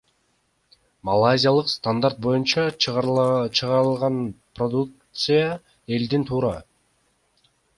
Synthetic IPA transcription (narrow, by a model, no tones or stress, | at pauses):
mɐlˠazʲɪjalˠɯqst̪and̪aɾt̪̚bo̞junt͡ʃɑ | t͡ʃʰɯʁɑɾɯlˠʁɑnprod̪uk̚t̪sɨja | e̞ld̪int̪ʰuːɾɑ